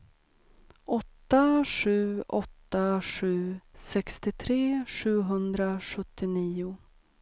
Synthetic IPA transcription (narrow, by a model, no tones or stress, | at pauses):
ʔɔt̪ːaʂʉ̟ːɔt̪ːaʂʉ̟ːsɛkst̪ɪt̪ʰɾeːɧʉ̟ːɦɵnd̪ɾaɧɵt̪ʰːɪniːʊ